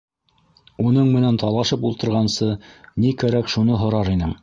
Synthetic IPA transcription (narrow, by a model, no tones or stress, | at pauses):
unɤɴmɘ̆nænt̪ɑlˠɑʃɤpulˠt̪ɤ̆ɾʁɑnsɤnikæɾækʃunɤɦŏɾɑɾinɘm